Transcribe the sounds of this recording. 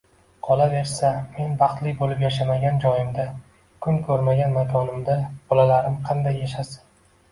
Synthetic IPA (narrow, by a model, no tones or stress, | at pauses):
qʰɒlave̞ɾsame̞nbɑχt̪lɪkʲbolɪpjaʃamaɡʲand͡ʒɒjɪmd̪a | kʰʊnkʰɵɾmaɡʲanmakʰɒnɪmd̪ab̥ɒlalaɾɪmqʰɑnd̪ajːaʃasɪ̥n